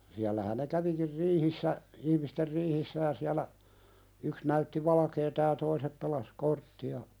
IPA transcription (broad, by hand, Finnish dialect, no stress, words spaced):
siælːæhæn ne kæʋikir riːhisːæ ihmister riːhisːæ jɑ siælæ yks næytːi ʋɑlɑkeːtɑ jɑ toisep pelɑs kortːiɑ